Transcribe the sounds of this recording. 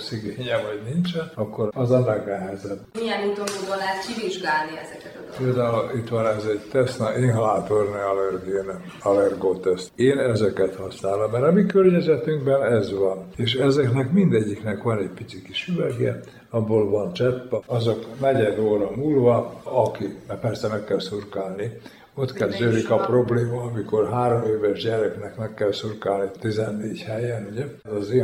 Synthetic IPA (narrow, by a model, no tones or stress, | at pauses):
syɡeːɲɛvɒɟnint͡ʃɛnɒkːoɾɒzɒnɛɡnɛɦɛzɛbːijɛnit̪ood̪olɛːkiviʒɡaːlniɛzɛkɛt̪peːld̪aːulit̪ʋɒnɛzɛɟt̪ɛsnɒʔiːnɦɒlaːt̪orniɒlɛrɡin | ɒlɛrɡoːt̪ɛst̪eːnɛzɛkɛt̪hɒsnaːlommɛɾɒmikørɲɛzɛt̪yŋɡbɛnɛzʋɒneːʃɛzɛknɛkmind̪ɛɟːiknɛkʋɒnɛɟpit̪sikiʃyvɛɡɛ̰ | ɒbːoːlvɒnt͡ʃɛpːɛɒzoknɛɟɛd̪oːɾɒmuːlvɒɒkimɛpɛrsɛmɛkːɛlsurkaːlni | o̞t̪kɛlzøːlikɒpro̞bleːmɒːmiko̞rɦaːɾomeːvɛʒɟɛɾɛknɛkmɛkːɛlsurkaːlnit̪izɛnːeːɟhɛjɛnuɟɛzɒzeː